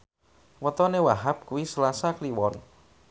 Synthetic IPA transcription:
wət̪ɔnewaɦap̚kuwisəlasakliwɔn

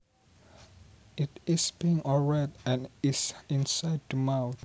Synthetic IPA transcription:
itisb̥iĩŋɔlɹɛdɛ̃nisĩnsajd̚dəmawθ

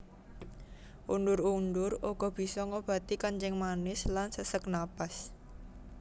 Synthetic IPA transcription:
ʔundʊɾundʊrʔoɡ̥ɔ̤b̥i̤sɔŋob̥ä̤t̪ikant͡ʃɪŋmanɪslansəsək̚napas

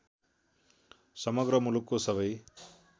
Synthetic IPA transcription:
sɐmɐɡɾɐmulukusɐbɐj

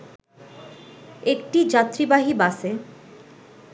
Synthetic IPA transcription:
ek̚ʈid͡ʑat̪ɾibaɦibase

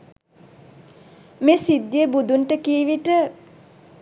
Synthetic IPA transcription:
meːsid̪ːjebud̪unʈəkiːʋiʈə

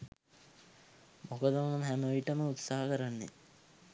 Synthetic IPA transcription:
mokəd̪əmoməmɦæməojiʈəməut̪saɦəkəɾanːḛ

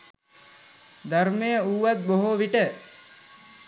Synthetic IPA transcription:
d̪aɾmejəuːʋat̪̚boɦoʋiʈə

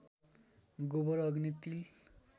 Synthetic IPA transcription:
ɡobɔɾɔɡnit̪il

